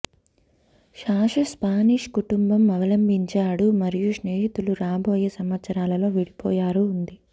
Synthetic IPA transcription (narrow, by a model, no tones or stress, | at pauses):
ʃaːʂɐspaːniːʂkuʈumbɐmɐʋɐlɐmbʱiɲt͡ʃaːɽumɐɾijuʂneːɦit̪uluɾaːboːjesɐmʋɐt̪sɐɾaːlɐlo̞ːʋiɽipɔːjaːɾuːnd̪i